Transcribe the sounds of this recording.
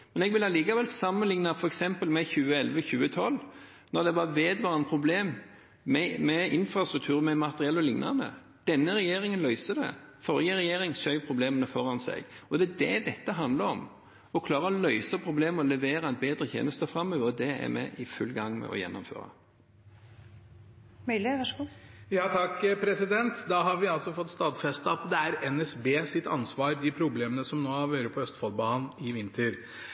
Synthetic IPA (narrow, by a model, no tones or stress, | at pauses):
mɛnɛɡʋɪlɑliːkɑʋɛlsɑmːənlɪŋnɑfɔɾɛksɛmpəlmɛçʉːəɛlʋəçʉːət̪ʰɔlː | nɔɾd̪ɛʋɑʋeːd̪ʋɑːɾənpʰɾʊbleːmː | ɛmɛɪnfɾɑst̪ɾʉk̚t̪ʰʉːɾmɛmɑt̪əɾɪɛlːɔlɪŋnɑnə̰ | d̪̥ɛnːəɾɛjeːɾɪŋənlœʏsəd̪ɛ̰fɔɾjəɾɛjeːɾɪŋsœʏpʰɾʊbleːmənəfɔɾɑnsɛ̰ɡɔd̪ɛæd̪ɛd̪ɛt̪ːəɦɑnd̪ləɾɔm | ɔkʰlɑːɾəɔlœʏsəpʰɾʊbleːməɔlɛʋeːɾəɛt̪̚beːd̪ɾət̪ʰjḛːnəst̪əfɾɑmːøːʋəɾd̪ɛæ̰ɾmɛ̰ʔɪfʉlːɡɑŋːmɛ̰ʔɔ̰jɛ̰nːɔmfø̰ːɾə̰ | mœlɪʋɑʂəɡuːjɑːt̪ʰɑkːpʰɾɛsɪd̪ɛnt̪d̪ɑɦɑɾʋɪɑlsɔfɔt̪ːst̪ɑːd̪fɛst̪əɑt̪d̪ɛæɾɛnɛsbeːsɪt̪ɑ̰nsʋɑːɾd̪ɪpʰɾʊbleːmənəsɔmnoːɑɾʋøːɾəpʰɔœst̪fɔlbɑːnɪʋɪnt̪ʰəɾ